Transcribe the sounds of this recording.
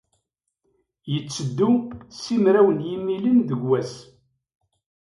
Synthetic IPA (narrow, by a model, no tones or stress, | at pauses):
jət͡sːəd̪ːusimɾæwənjimːilənðəɡwæs